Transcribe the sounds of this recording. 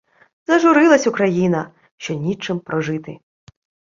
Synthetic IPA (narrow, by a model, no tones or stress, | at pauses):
zɐʒʊɾɪlˠɐsʲʊkɾɐjinɐ | ʃt͡ʃɔnʲit͡ʃɪmpɾɔʒɪt̪ɪ̰